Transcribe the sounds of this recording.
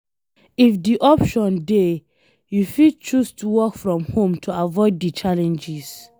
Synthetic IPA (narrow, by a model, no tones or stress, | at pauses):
ifdiʔɔpʃɔ̃nde | jufit͡ʃustuwɔkfɹɔ̃mhõmtʰuavɔɪddit͡ʃalɛ̃nd͡ʒis